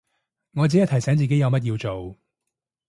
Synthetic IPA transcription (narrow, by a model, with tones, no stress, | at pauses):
ŋɔː˨˧t͡siː˨˥jɐ˥t̪ʰɐ˨˩jsɛː˨˥ŋt͡siː˨ke˨˥jɐ˨˧wmɐ˥t̚jiː˧wt͡so˨w